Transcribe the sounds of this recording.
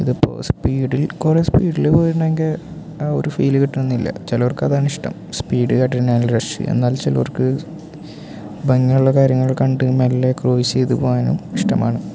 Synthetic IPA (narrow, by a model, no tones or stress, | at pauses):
iðupːo̰ːspiːɽilkureːspiːɽilepoːjɾuɳːeŋɡie | o̰ɾufiːlɨkiʈːuenːilːɐ̰t͡ɕelorkːɐðaːɳiʂʈɐ̰mspiːɽɨkɐʈːɐɾinaːnlɾɐʂɨ̰e̞̰nːaːlt͡ɕelɐorkːɨ | bɐŋːiuɭːɐkaːɾjɐŋːɐɭkɐɳɖɨmelːekroːiɕe̞jðupoːjaːnṵmiʂʈɐ̰ma̰ːɳɨ